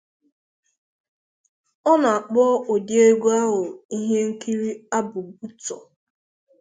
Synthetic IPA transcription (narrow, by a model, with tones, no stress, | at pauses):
ɔ˦na˨a˨k͡pɔ˦o˨dje˦ɡʷu˦a˦ɦʊ˨i˦ɦe˦ŋ̩˦ki˦ɾi˦a˦bʊ˨bu˦tɔ̰˨